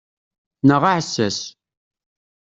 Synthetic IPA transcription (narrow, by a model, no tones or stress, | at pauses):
nəʁaʕsːæs